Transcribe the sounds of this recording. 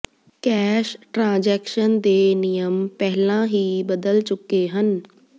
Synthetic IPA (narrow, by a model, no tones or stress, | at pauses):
kɛːʃʈɾãːd͡ʒɛːkʃənd̪eːnɪjəmpɛɦlãːɦiːbəd̪əlt͡ʃʊkeːɦən